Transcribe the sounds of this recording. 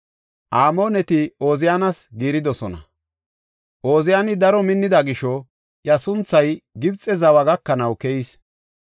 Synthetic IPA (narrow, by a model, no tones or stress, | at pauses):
ʔaːmo̞ːnɛt̪ɪoːzɪjaːnɐsɡiːɾɪd̪ɔsɔnɐ̰ | ʔoːzɪjanɪd̪ɐɾɔmɪnːɪd̪ɐɡɪʃɔ | ʔjɐsʊnt͡sːɐjɡɪbt͡sʼːɛzɐwɐɡɐkːɐnɐwkɛjis